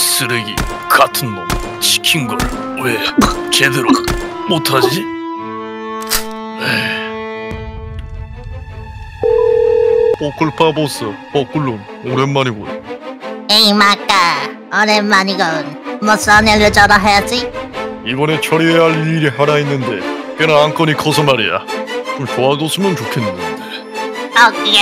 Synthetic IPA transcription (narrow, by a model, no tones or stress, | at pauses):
sɯɾɯɡḭ | katʰɯnmon | ɕʰi̥kʰinɡʌɾ | et͡ɕedeɾomotʰad͡ʑi | je | pokʰɯɭpʰabos͈ɯpok͈ʰɯɭːun | oɾenmaɲiɡo̰j | eimak͈a | ʌɾenːaɲiɡʌnmʌs͈aneɾɯt͡ɕʌɾaɦajad͡ʑiibʌne̞t͡ɕʰʌɾieɦaɭiɾiɦaɾainːɯnde̞̰kenaank͈ʌnikʰʌsʰʌmaɾḭja̰t͡ɕomt͡ɕoad͡ʑos͈ʰɯmjʌnt͡ɕokʰenːɯnde | ʌkj